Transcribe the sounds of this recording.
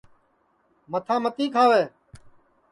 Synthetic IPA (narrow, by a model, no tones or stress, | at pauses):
mət̪ʰãːmət̪iːkʰaːʋeː